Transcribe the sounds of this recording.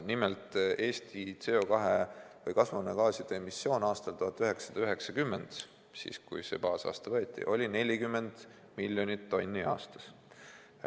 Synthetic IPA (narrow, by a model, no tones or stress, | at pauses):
nimelt̪e̞ːst̪it̪seokɑɦevɤjkɑsvɑnekɑːsid̪̥eemisːjo̞ːnɑːst̪ɑlt̪uɦɑt̪ːˑyɦe̞ksɑd̪ɑyɦe̞ksɑkymːend̪̥ | sḭːskujse̞̰pɑːsɑ̰ːst̪ɑvɤːt̪ʲːˑḭʔo̞lʲine̞lʲikymːe̞nd̪̥ | milʲːjo̞nʲit̪ːo̞nʲːiɑ̰ːst̪ɑ̥s